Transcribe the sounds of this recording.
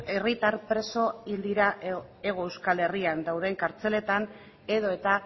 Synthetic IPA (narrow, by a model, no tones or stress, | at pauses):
erit̪aɾpɾe̞so̞ild̪iɾa | e̞ɣ̞o̞e̞wskale̞riand̪awðe̞ŋkaɾt͡se̞le̞t̪an | e̞ðo̞e̞t̪a